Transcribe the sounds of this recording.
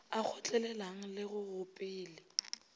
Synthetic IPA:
ak͡xʰɔt͡ɬʼɛlɛlaŋ̩lɪɣʊɣʊpʼɪːlɪ

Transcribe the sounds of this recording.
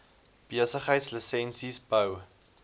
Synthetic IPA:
b̥iəsəχɦəjtsləsɛnsisbəw

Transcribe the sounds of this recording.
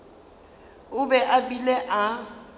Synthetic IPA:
ʊbɛʔabilɛʔa

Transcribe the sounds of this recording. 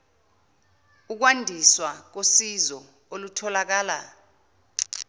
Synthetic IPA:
uk̬wandʱiswak̬osizɔ | olutʰɔlak̬aːla

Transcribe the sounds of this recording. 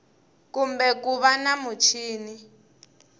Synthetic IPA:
kumbɛkuβanamut͡ʃʰiːni

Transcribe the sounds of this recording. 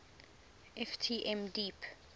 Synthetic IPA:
ʔɛftʰiʔɛ̃mdip

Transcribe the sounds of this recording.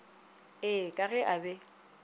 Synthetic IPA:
ɪkʼaɣɛʔabɛ

